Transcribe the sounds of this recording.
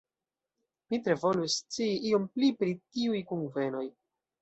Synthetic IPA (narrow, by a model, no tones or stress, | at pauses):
mitɾe̞vo̞lust͡siːʔio̞mplipɾitiujkunve̞no̞j